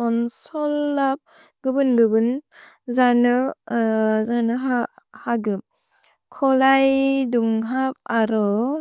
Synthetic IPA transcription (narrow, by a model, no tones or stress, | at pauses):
ɔnsɔlːap̚ | ɡɯbɯnlɯbɯn | zanɯ | zanɯɦahaɡɯp̚ | kʰɔlajduŋɦap̚aɾɔ